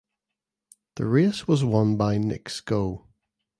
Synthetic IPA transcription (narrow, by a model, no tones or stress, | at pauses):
ðə̰ɹeswɒzwʌ̃nbaɪnɪ̰kskoː